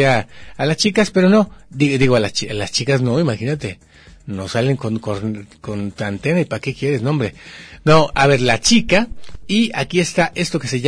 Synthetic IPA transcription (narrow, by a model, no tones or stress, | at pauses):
aalast͡ʃikaspeɾonod̪id̪iɣoalast͡ʃialast͡ʃikasnoimaxinat̪e | nosaleŋkonkokont̪ant̪enaipakekjeɾesnõmbɾenoaβeɾlat͡ʃikaiakiest̪aʔest̪okeseʝ